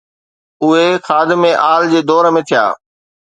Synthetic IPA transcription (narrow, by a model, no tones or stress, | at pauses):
ʊɦexʰaːd̪ɪmẽʔaːld͡ʑeːd̪ɔːɾəmẽːt̪ʰija̰ː